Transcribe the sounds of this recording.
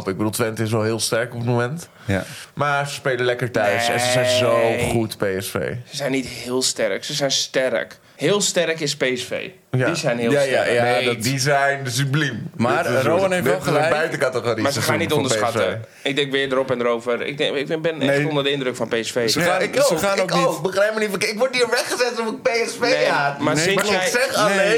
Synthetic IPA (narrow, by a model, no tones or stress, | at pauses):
pɪɡ̚bədulˠtʋɛntɪs̬ʋɛlˠɦɪːəlˠstɛrkɔpətmomɛnt | maːsəspeːləlɛkəɹtœɥsɛ̰̃nsəzɛjnzowχutpejɛsfḛːsəzɛjnːithɪəlˠstɛrksəsɛjnstɛrə̰k | hɪːəlˠstɛrkɪspejɛsfḛː | jdisɛjnhɪːljaajadizɛjnəsyblimmazowənefɛəjbɛjtəkatəɣoɾimasəxaːnitondərsxatə | ɪɡ̚dɛŋkʋɪədəɾopɛndəɾoːvərɪ̰k̚ŋɪkbɪnɛondərdəɪndrøkfɔnpeɛsfeːsəoaːnokɪk̚bəxrɛp̚mənifɪkʋot̚iːrʋɛχəzɛtɔfɪk̚peɛsfeamasɪɛsɛae